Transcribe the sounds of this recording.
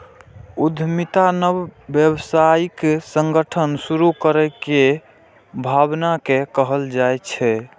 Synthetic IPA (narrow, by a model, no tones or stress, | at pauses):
ud̪ʱmit̪anəbːjəbsaikesəŋɡəʈʰənsuɾukəɾəke | bʱabnakekəɦəld͡ʒajt͡ʃʰɛ